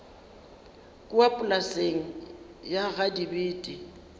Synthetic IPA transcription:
kʼʊapʼʊlaseŋ̩ | jaɣadibiːtʼi

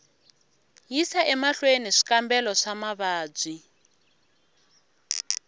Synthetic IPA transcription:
jisaʔɛmaɬweniʂi̥kambɛlɔʂamaβaːb͡ʐʷi

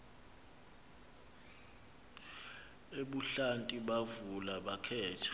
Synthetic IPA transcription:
eɓuɬantʼiɓavulaɓakʰɛːtʰḁ

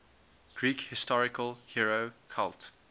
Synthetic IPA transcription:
ɡ̥ɹiːkhɪstɔɹɪkəlˠhiɹokʰa̰lˠt

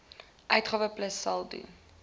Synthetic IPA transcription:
ʔœɥtχɑːvəpləsɐlˠdḭ

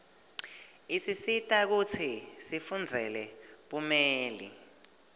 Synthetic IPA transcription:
isisitʼak̬ut͡sʰisifund͡zʱɛlɛ | ɓumeːlḭ

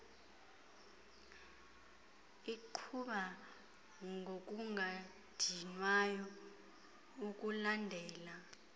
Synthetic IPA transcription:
iǃʰuɓa | ŋɡʱok̬ʼuŋʱa | d̥ʱinwajɔ | uk̬ʼulandʱɛːla

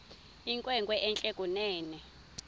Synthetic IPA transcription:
iŋkʼwɛŋkwɛʔɛnt͡ɬʼɛkʼunɛːnɛ

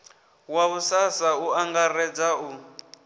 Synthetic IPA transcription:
waβusasauaŋɡarɛd͡zau

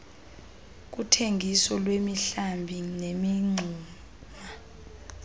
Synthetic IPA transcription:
k̬utʰeŋɡʱisɔlwemiɬambʱinemiŋ͡ǀʱuː | ma

